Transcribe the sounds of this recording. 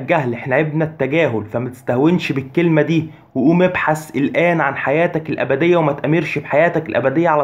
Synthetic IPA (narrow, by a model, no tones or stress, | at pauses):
ɡæhlʔeħnæʕebnæt̪ːæɡæːɦolfæmæt̪e̥st̪æhwenʃbekːelmæd̪iː | weʔuːmebħaselʔæːnʕanħajæːt̪ækelʔæ̰bæd̪ejːæwemæt̪ʔæmːeɾʃfħajæːt̪ækelʔæ̰bæd̪ejːæʕal